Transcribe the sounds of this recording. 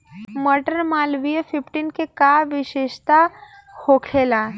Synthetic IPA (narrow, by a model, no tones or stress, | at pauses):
məɾʈənmalʋijfifʈinkekaʋiɕeʃt̪a | hokʰela